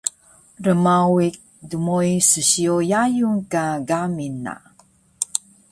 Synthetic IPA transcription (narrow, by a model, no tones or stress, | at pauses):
rəmawik̚ | dumojsəɕiojajuŋkaɡamina̰